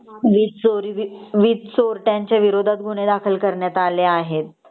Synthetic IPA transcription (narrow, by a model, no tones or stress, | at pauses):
ʋitsoɾiʋʋit͡s̪soɾʈjaɲt͡ɕjaʋiɾod̪ʱat̪̚ɡʱuɽ̃ed̪akʰəlkəɾɳjat̪aleaɦet̪